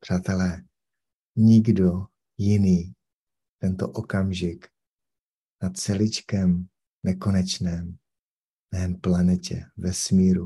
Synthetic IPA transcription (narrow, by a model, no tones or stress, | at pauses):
pr̝̥aːt̪ɛlɛː | ɲɪɡdo | jɪniː | t̪ɛnt̪o̰ʔokamʒɪk | nat͡sɛlɪt͡ʃkɛm | nːɛko̞nɛt͡ʃnɛːm | nɛːmplanɛcɛ̰vɛsmiːɾu